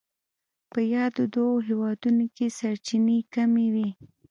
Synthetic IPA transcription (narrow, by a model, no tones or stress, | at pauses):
pəjɑd̪od̪oɦewɑd̪unokesaɾt͡ʃinekamewi